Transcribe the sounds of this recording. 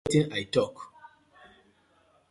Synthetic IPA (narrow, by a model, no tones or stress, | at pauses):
tĩnajtɔk